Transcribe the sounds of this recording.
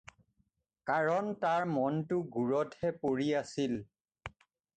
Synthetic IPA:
kaɹɔntaɹmɔntʊɡuɹɔtɛpoɹiasil

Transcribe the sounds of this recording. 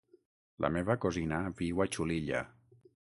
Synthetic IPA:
lʔa̰meβakozinaβiwat͡ʃuliʎa̰

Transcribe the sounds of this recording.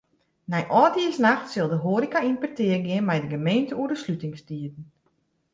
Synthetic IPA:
nɛjʔɔːdiəsnaxtsɪlˠdəɦoəɾikainpərtɪərɡɪənmɛjdəɡəmeːntəuədəslytɪŋstiətn̩

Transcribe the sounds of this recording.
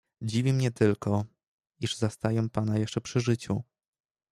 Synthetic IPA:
d͡ʑivʲimɲɛt̪ɘlkɔ | iʐzast̪ajɛw̃panajɛʂt͡ʂɛpʂɘʐɘt͡ɕu

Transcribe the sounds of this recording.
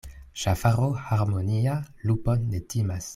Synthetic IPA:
ʃafaɾohaɾmonialupondetimas

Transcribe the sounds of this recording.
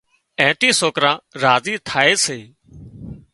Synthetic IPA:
ɛ̃ːʈiːsoːkɾãːɾaːziːt̪ʰaːeːseː

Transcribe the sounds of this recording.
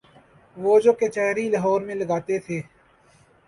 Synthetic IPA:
ʋoːd͡ʒoːket͡ʃaːɾiːləɦɔːɾmẽːləɡaːt̪et̪ʰeː

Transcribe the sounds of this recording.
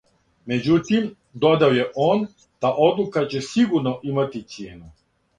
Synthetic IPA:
me̞d͡ʑut̪im | d̪od̪aojeʔoːn | d̪̥aʔo̞d̪lukat͡ɕesiɡuɾnoʔimat̪it̪sjeːnu

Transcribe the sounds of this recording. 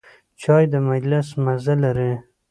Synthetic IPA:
t͡ʃɑjd̪əmad͡ʒlɪsmazalaɾe

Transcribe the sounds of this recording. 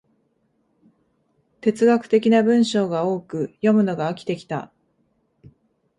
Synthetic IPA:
t̪e̞t͡sɨɡakɯ̟̥t̪e̞kʲinabɯ̟̃ɰ̃ɕo̞ːɡao̞ːkɯ̟jo̞mɯ̟no̞ɡaːkʲi̥t̪e̞kʲi̥t̪a̰

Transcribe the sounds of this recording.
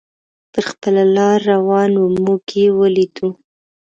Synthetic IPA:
pəxpəlalɑɾːawɑnomukʰewəlit̪u

